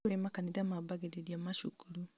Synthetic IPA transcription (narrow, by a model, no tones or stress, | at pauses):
ɾemakaniðamabaɡeɾeɾiamaʃukuɾu